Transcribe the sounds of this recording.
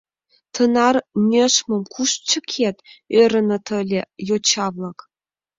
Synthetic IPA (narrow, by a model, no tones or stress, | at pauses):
t̪ʰɤ̆nɑrnʲeʃmɤ̆mkʰuʃt͡ɕə̆kʲʰet̪øɾə̆nɤ̆t̪ʰɤ̆lʲejot͡ɕɑvlɤ̆k